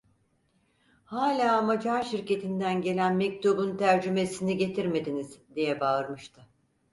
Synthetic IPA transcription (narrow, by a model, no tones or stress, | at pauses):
haːlʲaːamad͡ʒaɾʃiɾce̞t̪ʰind̪ænɟe̞lʲænmɛc̚t̪ʰubunt̪ʰæɾd͡ʒyme̞siniɟe̞t̪ʰiɾme̞d̪iniz̥d̪ijɛbaɯɾmɯʃt̪ʰɯ